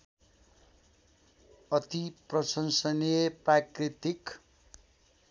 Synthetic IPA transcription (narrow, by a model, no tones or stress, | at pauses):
ʌt̪iprʌsʌnsʌneprakrit̪ik